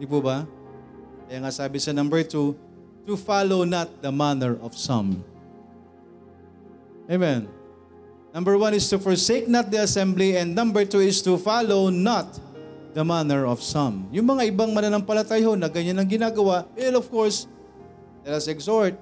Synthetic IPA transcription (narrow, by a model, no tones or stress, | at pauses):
d̪ipubɐ | kɐjaːŋasaːbɪsɐnɐ̃mbɛɹt̪u | t̪ufalownɐt̪̚d̪ɐmanɛɹʔɔv̥sɐ̰̃m | emɛ̃n | nɐ̃mbəɹwɐ̃nɪst̪ufɔɹseɪk̚nɐt̪̚d̪iɐsɛ̃mbliɛ̃nd̪̚nɐ̃mbɛɹt̪uɪst̪ufalownɐt̪̚ðɐmanɛɹɔfsɐ̃mjʊŋmɐŋaɪbaŋmɐnonɐŋpɐlɐt̪ajɦonɐɡɐɲanːɐŋɡɪnaːɡɐwaʔɛnɔfkɔɹs | lɛt̪ɐsɛɡsɔɹt̪̚